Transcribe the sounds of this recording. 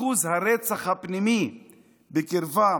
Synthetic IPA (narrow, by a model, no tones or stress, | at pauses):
uzhaɾet͡saχhapnimi | bekiɾva